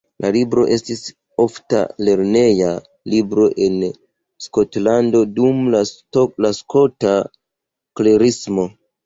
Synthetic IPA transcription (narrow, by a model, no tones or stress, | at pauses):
lalibɾo̞̰ʔe̞stis | o̞fta̰le̞ɾne̞ja | libɾo̞ʔe̞n | sko̞tlando̞dumlaolaskota | kle̞ɾismo̞